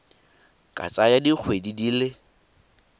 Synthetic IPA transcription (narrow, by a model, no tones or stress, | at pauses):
kʼa̰t͡sʼajadik͡xʰwedidiːle